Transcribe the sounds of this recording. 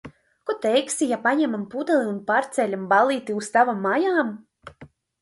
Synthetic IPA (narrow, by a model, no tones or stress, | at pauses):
kɔt̪ɛjksijapaɲɛmampud̪ɛlˠiunpaɾt̪sʲɛlʲambalˠiːt̪iust̪avamːajaːm